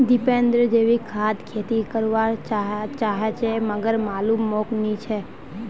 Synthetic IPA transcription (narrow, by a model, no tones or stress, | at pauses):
d̪ipẽnd̪ɾəd͡ʒeʋikʰad̪kʰet̪ikəɾʋaɦt͡ʃaɦet͡ʃʰeməɡəɾmalumːoknit͡ʃʰe